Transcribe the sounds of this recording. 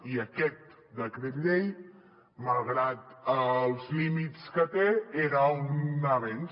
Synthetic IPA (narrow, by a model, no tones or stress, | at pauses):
iəkɛt̪̚ | d̪əkɾet̪ʎej | məlˠɣɾat̪əlˠzlimit͡skət̪eeɾəunnəβen